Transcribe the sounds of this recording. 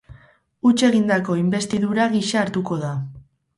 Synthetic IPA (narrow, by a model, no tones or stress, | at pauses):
ut͡ʃe̞ɣind̪ako̞imbe̞st̪iðuɾaɣiʃaːɾt̪uko̞ða